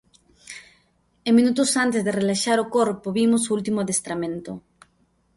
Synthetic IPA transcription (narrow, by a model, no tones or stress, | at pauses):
emĩnut̪ʊsant̪ezðerelaʃaɾokoɾpoβimʊsoult̪imʊaðest̪ɾamẽnt̪ʊ